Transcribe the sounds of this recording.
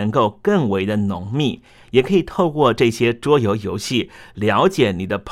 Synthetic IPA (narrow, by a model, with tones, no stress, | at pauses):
ə˧˥ŋko˥˧ʊkɤ˥˩ŋwe˧˥ɪd̪ə˧nʊ˧˥ŋmi˥˩ | jɛ˨˩kʰɤ˧˥i˨˩t̪ʰo˥˧ʊkwɔ˥˧ʈ͡ʂɤ˥˩ɕjɛ˥ʈ͡ʂwɔ˥jo˧˥ʊjo˧˥ʊɕi˥˩ljɑ˧˥ʊt͡ɕjɛ˨˩˦ni˨˩d̪ə˦pʰ